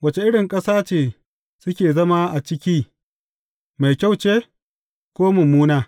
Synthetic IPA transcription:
wɐ˨t͡ʃe˨ʔɪ˦ɽɪ˨ŋkʼɐ˦saː˦t͡ʃeː˨ | sʊ˦kʲeː˨zɐ˦ma˦ʔa˨t͡ʃɪ˦kʲiː˦ | ma˨jkʲa˦˨wt͡ʃeː˦ | kʷoː˦mʊ˨muː˦naː˦

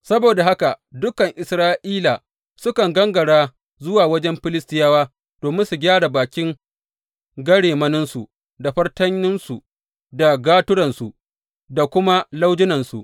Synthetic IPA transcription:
sɐ˦boː˨da˨ha˦ka˨dʊ˦kɐ˨ŋʔɪ˨sɾaː˦ʔiː˦la˨ | sʊ˦kɐ˨ŋɡɐ˦ŋɡɐ˨ɽaː˦ | zʊ˦waː˨wɐ˦d͡ʒɛ˦mɸɪ˦lɪ˦stɪ˦jaː˦waː˦ | d̥oː˨mɪ˦nsu˨ɡʲaː˦ɽa˨baː˨kʲɪ˦ŋ | ɡɐ˦ɽeː˨mɐ˦nɪ˦nsu˨ʔ | da˨ɸɐ˦rtɐ˦ɲːɪ˦nsu˨ | da˨ɡaː˦tʊ˦ɽɐ˨nsu˨ʔ | da˨kʷʊ˦ma˦la˦wd͡ʒɪ˦nɐ˨nsṵ˨ʔ

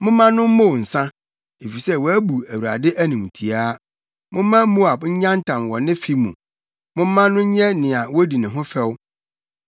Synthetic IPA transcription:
mʊ̃˦mːã˦nʊ̃˦m̩˦mõ˦˨wn̩˨sã˦ | e˨fi˨sɛ˦wɔ˨æ˦bu˨æ˨wu˨ɾa̰˨dɪ˦ʔæ˦nĩ˨m˨tʰi˨a˦ | mʊ̃˦mã˦mu˦a˨bɲ̩˦ɲã˦n˦tʰã˨mwɔ˨nɪ̃˦fi˦mṵ̃˨ | mʊ̃˦mã˦nʊ̃˦ɲ̩˦ɲɛ˦nɪ̃˨a˨wɔ˦di˨nɪ̃˨ɦʊ̃˦fɛ˦w

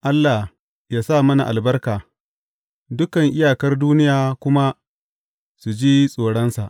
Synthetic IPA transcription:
ʔa˦lːa˨h | jaː˦sa˦˨mɐ˦na˨ʔa˨lbɐ˦rkaː˨ | dʊ˦kɐ˨ŋʔɪ˦jaː˨kɐ˦rduː˦nɪ˦jaː˨kʷʊ˦ma˦ | su˨d͡ʒiː˦sʼoː˨ɽɔ˦nsa̰˨ʔ

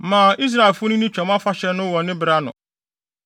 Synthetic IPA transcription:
mãː˨ʔi˦s̬ɾa˨e˨lfʊ˦nʊ̃˦nĩ˦t͡ɕᶣɔ˨mã˦fa˦ɕɛ˨˦nʊ̃˦wɔ˨nɪ̃˦bɪ˨ɾa˦nʊ̰̃˨

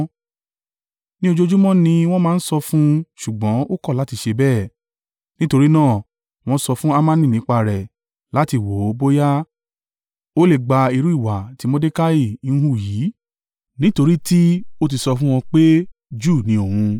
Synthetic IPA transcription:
nĩ˦o˧d͡ʒo˦˧d͡ʒu˦mɔ̃˦nĩ˧w̃ɔ̃˦mãː˦n̩˦sɔ˧fũ˦ʃu˨ɡ͡bɔ̃˨˦o˦kɔ˦˨la˨˦ti˧ʃe˧bɛː˦˨ | nĩ˦to˧ɾi˦nãː˦˨ | w̃ɔ̃˦sɔ˧fũ˦a˦mã˦nĩ˦˨nĩ˨˦k͡pa˧ɾɛ˨ | la˨˦ti˧˨wo˨˦bo˦ja˦ | o˦le˦˨ɡ͡ba˧i˧ɾu˦i˦˨wa˨ti˨˦mõ˦de˦ka˦i˦˨˦n̩˦hu˦˨jiː˨˦ | nĩ˦to˧ɾi˦ti˦o˦t̬i˧sɔ˧fũ˦w̃ɔ̃˧k͡pe˦ | d͡ʒuː˦˨nĩ˧o˨hũ˧

